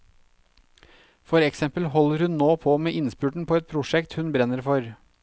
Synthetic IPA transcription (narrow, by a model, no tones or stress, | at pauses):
fɔɾɛksɛmpəlhɔləɾhʉnnoːpʰoːmeːʔɪnspʉːʈɳ̩pʰoːɛt̪̚pʰɾʊʂɛkt̪hʉnbɾɛnəɾfɔɾ